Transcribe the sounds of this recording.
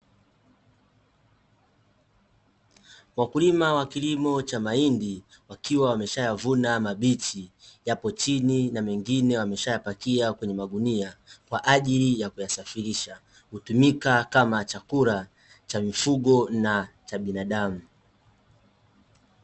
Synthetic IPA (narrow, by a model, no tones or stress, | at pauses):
wakulimawakilimɔt͡ʃamaindi | wakiwawamɛʃajavunamaɓit͡ʃijapɔt͡ʃininawɛŋɡinɛwamɛʃajapakiakwɛɲɛmaɠuniakwaʔaʄilijakujasafiɾiʃa | hutumikakamat͡ʃakuɾa | t͡ʃamifuɠɔnat͡ʃaɓinaɗamu